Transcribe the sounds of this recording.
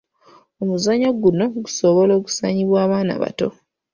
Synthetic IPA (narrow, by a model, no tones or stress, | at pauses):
omuzaɲoɡuno̞ɡuso̞βo̞lo̞ːku̥saːɲiβwaːβaːna̰βa̰to̞̰